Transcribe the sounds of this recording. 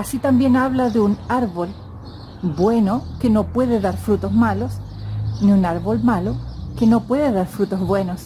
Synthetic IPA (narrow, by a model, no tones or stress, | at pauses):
asit̪ambje̞naβlaðeunaɾβo̞l | bwe̞nokeno̞pwe̞ðeðaɾfɾut̪o̞zmalo̞s | niunaɾβolmalokeno̞pwe̞ðeðaɾfɾut̪o̞zβwe̞nos